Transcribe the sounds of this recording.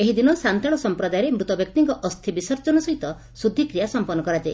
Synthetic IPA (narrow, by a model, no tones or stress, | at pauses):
eɦid̪inɔsant̪aɭɔsɔmpɾɔd̪ajɔɾemɾut̪ɔbjɔk̚t̪iŋkɔʔɔst̪ʰibisɔɾt͡ʃɔnɔsɔɦit̪ɔ | sud̪ʱːikɾijasɔmpɔnːɔkɔɾad͡ʒae